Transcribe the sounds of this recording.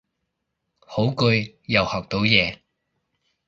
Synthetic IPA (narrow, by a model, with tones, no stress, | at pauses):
ho˨˥wkɵ˧ɥ | jɐ˨whɔː˨˩k̚t̪o˨˥wjɛː˨˧